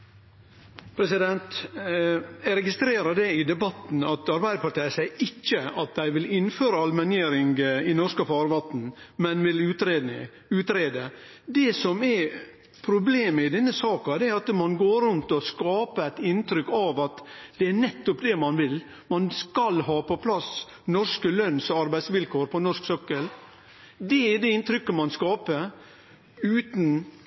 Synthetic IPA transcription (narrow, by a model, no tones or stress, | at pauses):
pʰɾɛsɪd̪ɛnt̪ | æɪɾɛɡɪst̪ɾeːɾəd̪ɛɪd̪ɛbɑt̪n̩ɑt̪ɑɾbæɪəpɑɾʈ̪ʰæɪəsæɪʔɪçːəɑt̪̚d̪æɪʋɪlɪnːføːɾəɑlmɛnjeːɾɪŋɡɪnɔʂskəfɑːɾʋɑt̪n̩mɛnʋɪlʉːt̪ɾeːd̪nɪ̰ | ʉːt̪ɾeːd̪ə | d̪ɛsɔmɛ | pʰɾʊbleːməɪd̪ɛnːəsɑːkɑd̪ɛæɾɑt̪mɑnɡoːɾʉnt̪ɔskɑːpəæɪt̪ɪnt̪ɾʏkːɑʋɑt̪d̪ɛænɛt̪ːɔpd̪ɛmɑnʋɪl | mɑnskɑlɦɑːpɔpʰlɑs | nɔʂkəlœnsɔɑɾbæɪsʋɪlkʰoːɾpʰɔnɔʂksœkːəl | d̪ɛɛd̪ɛɪnt̪ɾʏkːəmɑnskɑːpə | ʉːt̪n̩